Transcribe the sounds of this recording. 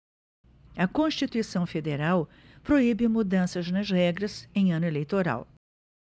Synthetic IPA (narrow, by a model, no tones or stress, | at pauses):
ɐkõʃt͡ʃit̪uisɐ̃w̃fed̪eɾaw | pɾoibɪmud̪ɐ̃sɐznɐzhɛɡɾɐzẽj̃ɐ̃nʊelejt̪oɾa̰w